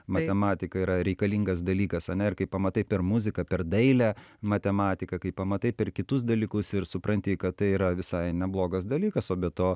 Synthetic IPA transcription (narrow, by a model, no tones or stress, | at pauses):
mɐt̪ʲɛmɑːt̪ʲɪkɐiːɾɐɾʲɛɪkɐlʲiŋɡɐsd̪ɐlʲiːkɐsɐnʲɛɪrkɐɪppːɐmɐt̪ɐɪpʲɛrmʊzʲɪkɐpʲɛrd̪ɐɪlʲæmɐt̪ʲɛmɑːt̪ʲɪkɐkɐɪpɐmɐt̪ɐɪpʲɛrkʲɪt̪ʊs̬d̪ɐlʲikʊsɪɾsʊpɾɐnʲt̪ʲɪkɐt̪t̪ɐɪiːɾɐʋʲɪsɐɪnʲɛblˠoːɡɐsd̪ɐlʲiːkɐsoːbʲɛt̪oː